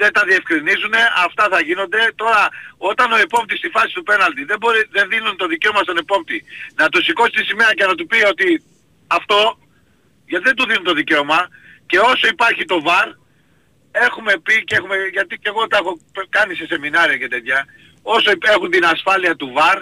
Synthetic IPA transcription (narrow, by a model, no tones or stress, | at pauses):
ðet̪ɐðie̞fkɾinizune̞ɐft̪ɐθɐʝino̞nd̪e̞t̪o̞ɾɐo̞t̪ɐno̞e̞po̞p̚t̪ist̪ifɐsi̥t̪upe̞nɐld̪iðebo̞ɾiðe̞nðinunt̪o̞ðice̞o̞mɐst̪o̞ne̞po̞p̚t̪inɐt̪usiko̞si̥t̪isime̞ɾɐce̞nɐt̪̬upio̞t̪i | ɐft̪o̞ | ʝɐt̪iðed̪uðinunt̪o̞ðice̞o̞mɐ | ce̞o̞so̞ipɐɾçit̪o̞vɐɾ | e̞xume̞picee̞xume̞ʝɐt̪ice̞ɣo̞t̪ɐexopkɐnise̞se̞minɐɾiɐcet̪et̪çɐ | o̞so̞ie̞xunt̪inɐsfɐliɐt̪uvɐɾ